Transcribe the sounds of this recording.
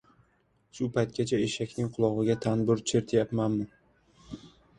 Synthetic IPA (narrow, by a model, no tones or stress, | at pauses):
ʃʊpʰajt̪̚kʲat͡ʃʰaeʃakʲnɪŋqʰʊlˠɒʁɨɡʲat̪ʰanbʊɾt͡ʃʰeɾt̪ʰjapmanmɪ